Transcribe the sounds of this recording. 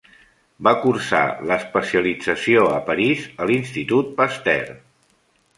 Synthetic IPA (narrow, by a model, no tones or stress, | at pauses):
bakuɾsa̰ləspəsiəlid͡zəsioəpəɾizəlinst̪it̪ut̪̚pəst̪ɛ̰r